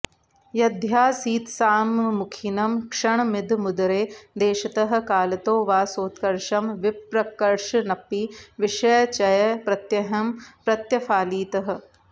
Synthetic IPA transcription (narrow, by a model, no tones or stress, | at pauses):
jɐd̪ʱjaːsiːt̪saːmːʊkʰinɐmkʂɐɳmɪd̪ʱmʊd̪ɐɾeːd̪eːʃɐt̪ɐɦɐ̆kaːlɐt̪oːʋaːsoːt̪kɐɾʃɐmʋɪpɾɐkɐɾʂnɐpiʋɪʃɐjɐt͡ʃɐjɐpɾɐt̪jɐɦɐmpɾɐt̪jɐfaːliːt̪ɐɦɐ̆